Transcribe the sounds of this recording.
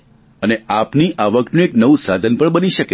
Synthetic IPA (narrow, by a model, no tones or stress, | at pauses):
əneapniʔaʋəknũeknəʋusad̪ʱənpəɳbəniʃəke